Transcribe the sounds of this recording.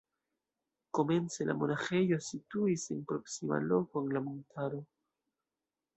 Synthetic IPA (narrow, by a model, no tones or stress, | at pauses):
ko̞me̞nt͡se̞la̰mo̞naxe̞jo̞situise̞npɾo̞ksima̰lo̞ko̞eŋlamontʰaɾo̞